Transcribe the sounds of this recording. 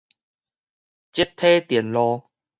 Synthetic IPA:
t͡ɕi˦˥t̪ʰːe˦t̪jɛ˨˩nlɔ˧

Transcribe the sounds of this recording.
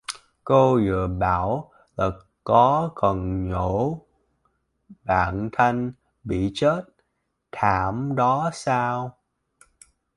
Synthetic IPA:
ko˧zɨ̰˧˨əɓaː˧˩w | laː˨˩ | kɔ˨˦kɔ˨˩nɲo˧˩˦ | ɓa̰ː˧˨nt̪ʰa˧jŋ̟ | ɓḭ˧˨t͡ɕe˦˥t̚ | t̪ʰaː˧˩mɗɔ˨˦saː˧w

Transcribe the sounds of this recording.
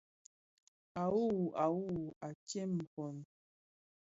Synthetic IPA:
a˨wu˦˨ʔa˨wu˦˨a˨kje˦m̩˨pɔ˨n

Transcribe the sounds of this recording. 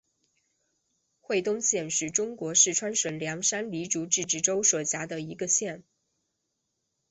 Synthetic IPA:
xwe˥˧ɪt̪ʊ˥˧ŋɕjɛ˥˩nʂɻ̩˥˩ʈ͡ʂʊ˥ŋkwɔ˧˥ʂɻ̩˥˩ʈ͡ʂʰwa˥nʂwə˨˩nljɑ˧˥ŋʂa˥nli˧˥ʈ͡ʂu˧˥ʈ͡ʂɻ̩˥˩˧ʈ͡ʂɻ̩˥˩ʈ͡ʂo˥ʊswɔ˨˩t͡ɕja˧˥d̪ə˧i˧˥ɡə˧ɕjɛ˥˩n

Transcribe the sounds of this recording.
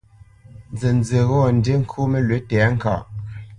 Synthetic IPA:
nd͡ze˨n˦d͡ze˨ɣɔ˦˨n̩˨de˦ŋ̩˦kʰu˦me˦lwe˨˦tɛ˨˦ŋ̩˦˨ka̰˨ʔ

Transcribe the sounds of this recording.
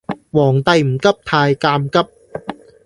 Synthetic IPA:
wɔː˨˩ŋt̪ɐ˧jm̩˨˩kɐ˥p̚t̪ʰaː˧jkaː˧mkɐ˥p̚

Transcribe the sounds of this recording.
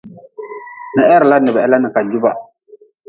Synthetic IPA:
nɨ˨ʔɛ˦ɾɪ˨la˦nɨ˨bɛ˨ɛ˦la˦nɨ˨ka˨d͡ʒu˦ba̰˦

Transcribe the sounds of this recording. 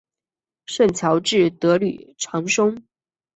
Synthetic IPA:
ʂə˥˩nt͡ɕʰjɑ˧˥ʊʈ͡ʂɻ̩˥˩t̪ɤ˧˥ly̰˨˩ʈ͡ʂʰɑ˧˥ŋʂʊ˥ŋ

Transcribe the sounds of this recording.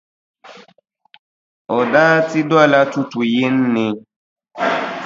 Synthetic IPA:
ɔ˨daː˦ti˦dɔ˦a˦˨la˦tu˦tu˨je˦n̩˦nɪ̃˧

